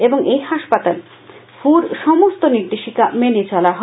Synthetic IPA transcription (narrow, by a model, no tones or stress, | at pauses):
eboŋejɦaʃpat̪al | fuɾʃɔmost̪oniɾd̪eʃikamenet͡ɕɔlaɦɔ